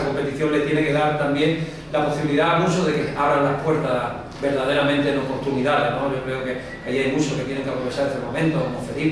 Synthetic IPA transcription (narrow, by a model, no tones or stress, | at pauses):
ako̞mpe̞t̪iθjo̞ŋle̞t̪jeneke̞ðaɾt̪ambje̞ŋ | lapo̞siβiliðaːmut͡ʃoðe̞keaβɾanlahpwe̞ɾt̪a | be̞ɾðaðe̞ɾamẽnt̪enopo̞ɾt̪umiðaðeno̞ʝo̞kɾe̞oke | aiajmut͡ʃoket̪je̞ne̞ŋkapɾoet͡ʃaɾesemomẽnt̪oemofeɾi